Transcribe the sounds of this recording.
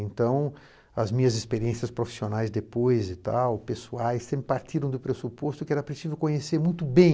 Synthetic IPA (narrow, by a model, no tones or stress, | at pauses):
ẽnt̪ɐ̃w̃ | ɐzmĩɲɐzɪspeɾiẽsiɐspɾofi̥sionajzd̪epojzɪt̪a̰wpesuajst̪ẽmɪpaɾt̪iɾɐ̃w̃d̪ʊpɾesupost̪ʊkɪɛɾɐpɾesivewkõɲeseɾmũj̃t̪ʊbẽj̃